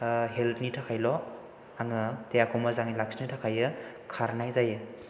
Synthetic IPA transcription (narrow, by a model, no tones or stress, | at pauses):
ɦeltnitʰakʰajlɔ | aŋɯtejakʰomazaŋilaksnitʰakʰajɯ | kʰaɾnajzajɯ